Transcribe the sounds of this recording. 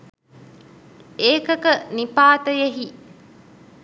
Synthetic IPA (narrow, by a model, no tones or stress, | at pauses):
eːkɐkɐnipaːt̪əjeɦi